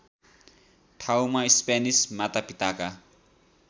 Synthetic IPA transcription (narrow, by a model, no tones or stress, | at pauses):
t̪ʰawmaispanismat̪apit̪aka